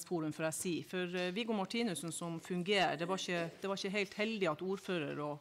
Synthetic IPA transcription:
sfuːɾʉmfɔɾæsiːfɔɾʋɪɡʊmɑʈʰiːnʉsnsɔmfʉŋɡeːə̰ɖ̪ɛʋɑɾɪçəd̪̥ɛʋɑɾɪçəɦæɪlt̪hɛld̪ɪɑt̪uːɾføːɾə̰ɾɔ

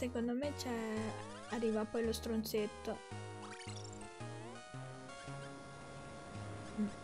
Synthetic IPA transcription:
sekond̪omet͡ʃɛ | arːiːvapɔjlost̪ɾont̪set̪ːo

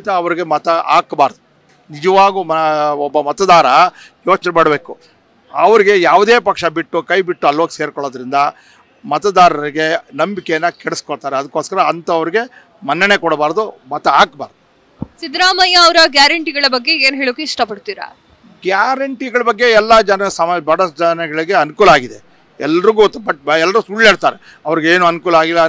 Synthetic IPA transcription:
t̪ɐːʋɐɾiɡe̞mɐt̪ɐʔa̰ːkbaːɾd̪u | nid͡ʒɐʋaːɡumɐɔbːɐmɐt̪ɐd̪aːɾɐ | joːt͡ʃɐnɛmaːɽbe̞ːku | ɐʋɐɾiɡe̞jaːʋd̪e̞ːpɐkʂɐbiʈːukɐjbiʈːuɐlʋoːkseːɾkɔɭoːd̪ɐɾind̪ɐ | mɐt̪ɐd̪aːɾɐɾiɡe̞nɐmbikejɐnːɐkɛɽeskɔɽt̪aːɾeɐd̪ɐkːoːskɐɾɐːnt̪ɐːʋɐɾiɡe̞ | mɐnːɐnekɔɽbaːɾd̪umɐt̪ːɐaːkba̰ːɾd̪u | sid̪ɾaːmɐjɐɐʋɾɐɡjaːɾɐɳʈiɡɐɭɐbɐɡːe̞eːnɦeːɭokːeiʂʈɐpɐɽt̪iːɾɐ̰ | ɡjaːɾɐɳʈiɡɐɭɐbɐɡːe̞ɛlːad͡ʒɐnɐsɐmbɐɽɐd͡ʒɐnɛɡɐɭiɡe̞ɐnukuːlɐaːɡid̪e | ɛlːɐɾuɡut̪ːbɐʈ̚ɛlːɐɾuusuɭːeːɽt̪aːɾe | ɐʋɐɾiɡeeːnuɐnukuːlɐaːɡilːɐ

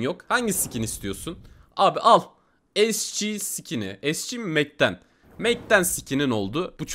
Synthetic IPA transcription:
jokhaɲɟisicʰinist̪ʰijo̞sun | aːbiʔalˠ | ɛst͡ʃʰiːsicʰiniɛst͡ʃʰiːmɛc̚t̪ʰæn | mɛc̚t̪ænsicʰinino̞lˠd̪ʊb̥ut͡ʃʰ

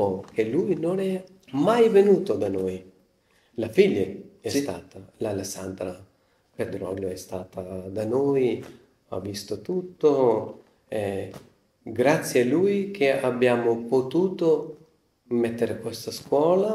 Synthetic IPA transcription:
okʰelujnonɛ | majvenuːt̪od̪anoj | lafiʎːeɛst̪aːt̪alalesand̪ɾa | ped̪ɾɔ̰ljoɛst̪aːt̪ʰad̪anoj | a̰vːist̪ot̪ut̪ːo | ɛ | ɡɾat̪sːjealujkʰeabːjaːmopot̪uːt̪o | mɛt̪ːeɾekwest̪askwɔːla

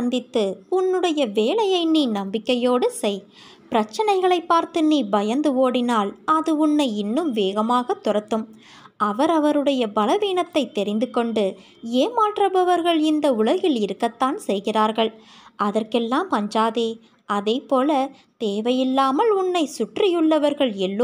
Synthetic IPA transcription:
ɐnd̪ɪt̪ːɯʊnːɯɽɐjɐʋeːlɐjɐɪniːnɐmbɪkːɐjoːɽɯsɛɪ | pɪɾɐt͡ʃːɐnɐɪɣɐɭɐɪpːaːɾt̪ɯniːbɐjɐnd̪ɯʋoːɽɪnaːlɐðɯʊɳːɐɪɪnːɯmʋeːɣɐmaːɣɐt̪ːʊrɐt̪ːɯm | ɐʋɐɾɐʋɐɾɯɽɐjɐbɐlɐʋiːɳɐt̪ːɐɪt̪ːɛɾɪnd̪ɯkːɔɳɖɯ | eːmaːʈrɐbɐʋɐɾɣɐɭɪnd̪ɐʊɭɐɣɪlɪɾɯkːɐt̪ːaːnsɛjɣɪraːɾɣɐɭɐðɐrkɛlːaːmɐɲd͡ʒaːðeː | ʔɐðeːpoːlɐ | t̪eːʋɐjɪlːaːmɐlʊɳːɐɪsʊʈrɪjɯɭːɐʋɐɾɣɐɭɛlːo

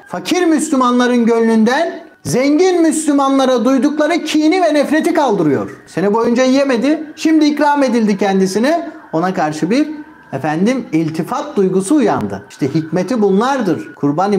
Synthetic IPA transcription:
facʰiɾmyslʲymanlˠaɾɯnɟølʲːynd̪æn | zɛɲɟinmyslʲymanlˠaɾad̪ujd̪uklˠaɾɯcʰiːnivɛnɛfɾe̞t̪ʰikʰalˠd̪ɯɾɯjo̞̰ɾ̥se̞nibo̞jund͡ʒajjeme̞d̪ɪʃimd̪iːcɾaːme̞d̪ilʲd̪icʰɛnd̪isinɛo̞nakʰaɾʃɯbiɾ | efænd̪imilʲt̪ʰifat̪̚d̪ujɡusuːja̰nd̪ɯ̰iʃt̪ʰɛhicmet̪ʰibunlˠaɾd̪ɯɾ̥kʰuɾban

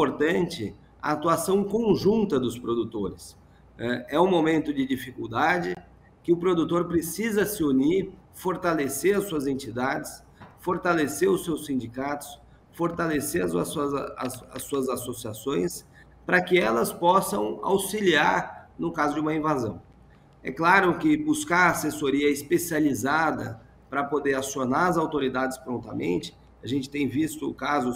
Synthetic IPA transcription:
poɾt̪ɐ̃nt͡ʃɪ | ɐ̰ːt̪uasɐ̃w̃kõʒũnt̪ɐd̪ʊspɾod̪ut̪oɾɪs | ɛɛũmomẽnt̪ʊd͡ʒɪd͡ʒifikuwd̪ad͡ʒɪ | kɪʊpɾod̪ut̪oɾpɾesizɐsɪuniɾfoɾt̪aleseɾɐsuɐzẽnt͡ʃid̪ad͡ʒɪs | foɾt̪aleseɾʊsːewsĩnd͡ʒikat̪ʊ̥s | foɾt̪aleseɾɐssɐzɐ̰suɐzasosiasõj̃s | pɾɐkɪɛlɐspɔsɐ̃w̃a̰wsiliaɾnʊkazʊd͡ʒɪũmɐĩvazɐ̰̃w̃ | ɛ̰klaɾʊkɪbuskaɾasesoɾiɐɪspesializad̪ɐ̰ | pɾɐpod̪eɾasionaɾɐzawt̪oɾid̪ad͡ʒɪspɾõnt̪ɐmḛ̃nt͡ʃɪ̥ | aʒẽnt͡ʃɪ̥t̪ẽj̃vist̪ʊkazʊ

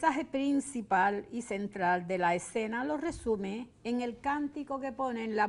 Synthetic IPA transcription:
aɦe̞pɾinsipalise̞nt̪ɾald̪e̞laese̞nalo̞re̞sumeeŋe̞lkant̪iko̞ke̞po̞nenla

